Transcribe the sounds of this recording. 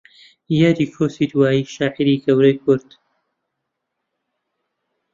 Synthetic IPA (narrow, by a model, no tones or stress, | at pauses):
jaːd̪iːkʰoːsid̪waːjiːʃaːʔiɾiɡɐwɾɐjkʰʊɾd̪̥